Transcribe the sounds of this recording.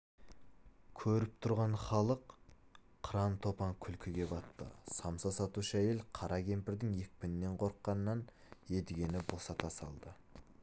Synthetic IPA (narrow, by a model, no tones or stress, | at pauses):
kʲʰɵɾɪp̚t̪ʰʊɾʁɑɴχɑlˠəq | qʰːɾɑnt̪ʰo̞pɑŋkʲʰʏlkʲʰɪɡʲe̞bɑt̪ːə̰sɑmsɑsɑt̪uʃəæje̞lqʰɑɾʔɑkʲe̞mpɪɾd̪ɪŋje̞k̚ʲpɪnɪnːe̞ɴqʰo̞ɾəqːɑnəːɑn | je̞d̪ɪɡʲe̞nɪbosɑt̪ʰɑsɑlˠd̪ə